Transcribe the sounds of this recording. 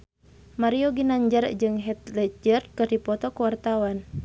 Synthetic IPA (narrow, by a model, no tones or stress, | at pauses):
maɾiɔɡinaɲd͡ʒərd͡ʒɨŋɦɛt̪̚lɛd͡ʒərkɨrdipɔt̪ɔkuwart̪awan